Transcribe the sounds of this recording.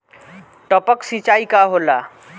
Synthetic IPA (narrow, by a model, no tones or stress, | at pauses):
ʈəpəksit͡ʃaikaɦola